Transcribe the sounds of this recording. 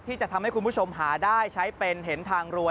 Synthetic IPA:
t̪ʰiː˥˩t͡ɕa˨˩t̪ʰa˧mha˥˩ku˧nbu˥˩t͡ɕʰo˧mɦaː˩˦daː˥˩jt͡ɕʰa˦˥jpe˧nɦe˩˦nt̪ʰaː˧ŋɾu˧ə

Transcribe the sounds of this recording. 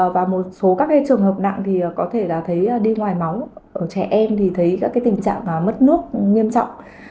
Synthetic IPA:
vaː˨˩mo˨˩t̚so˨˦kaː˦˥kːaː˨˦jt͡ɕɨ˨˩əŋɦəː˨˩p̚na̰˧˨ŋt̪ʰi˨˩əː˨˩kɔ˨˦t̪ʰe˧˩laː˨˩t̪ʰə˨˦jːɗi˧ŋwaː˨˩jma˨˦wʔəː˧˩t͡ɕɛ̰˧˩ʔɛ˧mt̪ʰi˨˩t̪ʰə˨˦jkaː˦˥kaː˨˦jt̪ï˨˩ŋ̟t͡ɕa̰ː˧˨ŋaː˨˩mə˦˥t̚nɨ˦˥ək̚ɲi˧əmt͡ɕɔ̰˧˨wŋ͡m

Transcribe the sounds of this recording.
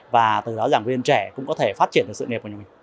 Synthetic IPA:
vaː˨˩t̪ɨ˨˩ɗɔ˨˦zaː˧˩ŋvi˧ənt͡ɕɛ˧˩kʊ̰˧˥ŋ͡mkɔ˨˦t̪ʰe˧˩faː˦˥t̚t͡ɕi˧˩ənɗksɨ̰˧˨ŋi˨˩kːmi˨˩ŋ

